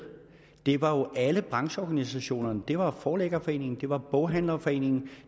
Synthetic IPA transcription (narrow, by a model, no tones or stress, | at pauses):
d̥e̝ʋɑ̈jo̝ʔæləb̥ʁɑ̈ŋɕəɒːɡ̥ænisæɕo̝̰ːnɐnəd̥e̝ʋɑ̈fɒːleɡ̥ɐfɒ̽e̝̰ːne̝ŋn̩d̥e̝ʋɑ̈b̥ɔʊɦæn̰lɐfɒ̽e̝̰ːne̝ŋn̩